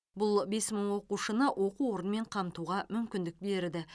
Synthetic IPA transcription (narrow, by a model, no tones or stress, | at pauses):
bʊlˠbe̞sməɴwo̞quʃənəʔwʔo̞quo̞ɾənme̞ɴqʰɑmt̪uʁɑmʏmkʲɪnd̪ɪk̚be̞ɾɪɾd̪ɪ